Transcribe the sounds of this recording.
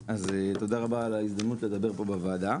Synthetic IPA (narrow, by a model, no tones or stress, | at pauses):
azet̪o̞d̪aʁabaːlaisd̪amnut̪le̞d̪abe̞ʁpo̞bavad̪a